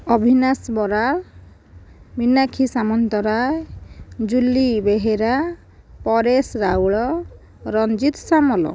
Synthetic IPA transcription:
ɔbʱinasbɔɾaɾ | minakʰisamɔnt̪ɔɾajd͡ʒulːibeɦeɾa | pɔɾesɾawɭɔ | ɾɔnd͡ʒit̪samɔlɔ̰

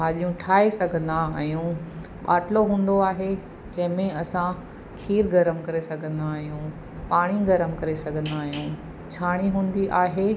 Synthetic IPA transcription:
ɦaːɗijũʈʰaːesɐɡʱə̃nd̪aːɦijũ | ɓaːʈloɦũːn̆d̪oaːɦe | d͡ʑɐ̃ɦɪ̃mẽɐsã | kʰiːɾɡɐɾəmkɐɾesɐɡʱə̃nd̪aːɦijũ | paːɽ̃iɡɐɾəmkɐɾesɐɡʱə̃nd̪aːɦijũ | t͡ɕʰaːɽ̃iɦũːn̆d̪iʔaːɦeː

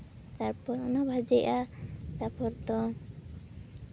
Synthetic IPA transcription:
t̪aɾpɔɾɔnɔbʱad͡ʒɛʔat̪apɔɾt̪ɔ

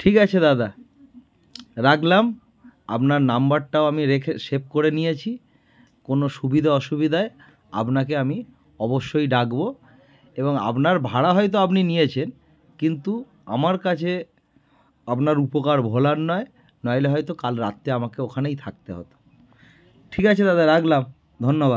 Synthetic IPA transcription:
ʈʰikat͡ɕʰed̪ad̪a | ɾakʰlam | apnaɾnambaɾʈaoamiɾekʰeʃep̚koɾenijet͡ɕʰi | konoʃubid̪ʱaɔʃubid̪ʱae | a̰pnakeami | ɔboʃːojɖaɡbo | eboŋa̰pnaɾbʱaɽaɦɔjt̪̬oapninijet͡ɕʰen | kint̪u | a̰maɾkat͡ɕʰe | apnaɾupokaɾbʱolanːɔe | nɔeleɦɔjt̪okalɾat̪ːeamakeokʰanejt̪ʰak̚t̪eɦo̰t̪o̥ | ʈʰikat͡ɕʰet̪ad̪eɾːakʰlam | d̪ʱonːobad̪̚

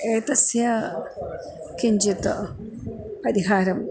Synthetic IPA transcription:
eːt̪ɐsjɐ | kiɲd͡ʒit̪ɐ̰ | pɐɾiɦaːɾɐm

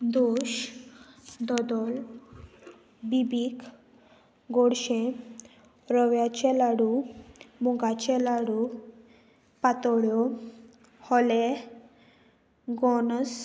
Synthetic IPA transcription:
d̪oɕ | d̪ɔd̪ɔl | bibiːk | ɡɔɽɕẽ | ɾəʋjat͡ɕɛlaɽumuɡat͡ɕɛlaɽu | pat̪ɔɽjɔ | hɔle | ɡɔns

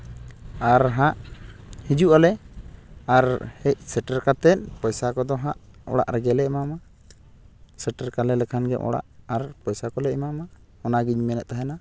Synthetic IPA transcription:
aɾɦaʔhid͡ʒuʔalɛ | aɾhɛc̚səʈəɾkat̪ɛt̪̚pɔjsakɔd̪ɔɦaʔɔ̰ɽa̰ʔɾɛɡɛlɛʔmama | səʈəɾkalɛlɛkʰanɡɛ̰ʔɔ̰ɽa̰ʔaɾpɔjsakɔlɛʔmama | ɔnaɡiɲmɛnɛʔ̪̚t̪aɦɛna

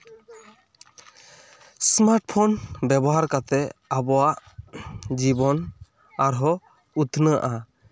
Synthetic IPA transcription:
smaɾʈpʰɔnbɛbɔɦaɾkat̪ɛabɔwaʔ | d͡ʒibɔn | aɾɦɔ | ut̪ʰnəa̰ʔa

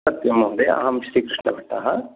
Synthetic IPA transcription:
ɐt̪jɐmoːd̪ea̰ːɦɐmsɾiːkɾiʂɳɐʋɐʈːa̰ːɦɐ

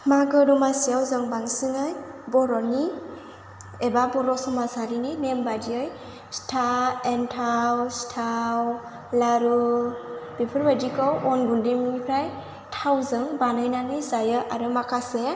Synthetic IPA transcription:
maɡɯɾɔmasijawzɯŋbaŋsɯŋɯjbɔɾɔni | ebabɔɾɔsɔmasaɾininembadiɯj | stʰaentʰawstʰaw | laɾu | b̥ipʰɯɾbadikɔwɔnɡundimnipʰɾaj | tʰawzɯŋbanɯjnanɯjzajɯʔaɾɯmakʰase

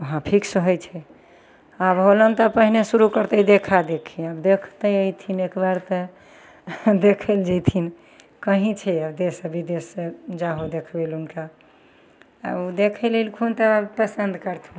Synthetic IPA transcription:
əɦãpʰiksəɦəjt͡ʃʰɛ | abɦolənt̪əpəɦinesuɾukəɾt̪əd̪ekʰad̪ekʰiəbd̪ekʰt̪əjəjt̪ʰinekbaɾt̪ə | d̪ekʰəld͡ʒɛjt̪ʰin | kəɦĩt͡ʃʰɛəbd̪esəbid̪esd͡ʒaɦod̪ekʰbelunka | ud̪ekʰəlelkʰunt̪əpəsənd̪kəɾt̪ʰũ

